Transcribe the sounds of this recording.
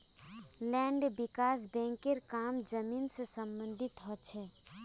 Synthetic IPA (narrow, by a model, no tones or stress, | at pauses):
lɛ̃ːɳɖbɪkaːsbɛ̃ːŋkeɾkaːmd͡ʒəmiːnsesə̃mbə̃nd̪ʱɪt̪ɦɔt͡ʃʰɛː